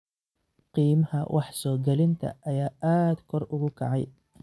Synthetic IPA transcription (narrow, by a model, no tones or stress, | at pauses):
qiːmɐhɐ̰wʔɑħsɔːɡɛlɪnt̪ʰɐ̰ʔɐjaːʔaːd̪̥kʰɔrʊɣʊkʰɐʕɑ̰j